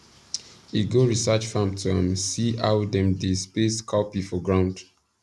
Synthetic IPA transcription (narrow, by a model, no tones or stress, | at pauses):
iɡoɹisat͡ʃfãmtʰuãmsiawdɛ̃mdespeskʰapifɔɡɹãʊ̃nd